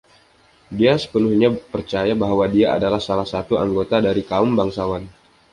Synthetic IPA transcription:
diasə̥pənuhɲapərt͡ʃajabaɦwadiaʔa̰dalahsalahsat̪ua̰ŋɡot̪adaɾikaʊmbaŋsawan

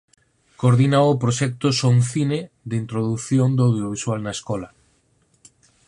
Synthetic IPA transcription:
koɾðinawopɾoʃɛk̚t̪osouŋθine | ðint̪ɾoðuθjond̪oawðjoβiswalnaeskɔla

